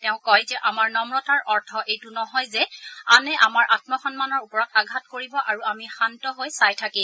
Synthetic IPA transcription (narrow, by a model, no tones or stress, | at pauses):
tɛʊ̃kɔjzɛʔamaɹnɔmɹɔtaɹʔɔɹtʰɔʔejtunɔɦɔjzɛanɛʔamaɹʔatmɔxɔnmanɔɹupɔɹɔtaɡʱatkoɹibɔʔaɹuamixantɔɦojsajtʰakĩ